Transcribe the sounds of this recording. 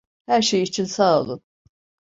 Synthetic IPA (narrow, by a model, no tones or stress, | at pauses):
hæɾʃejit͡ʃʰinsaːo̰lˠun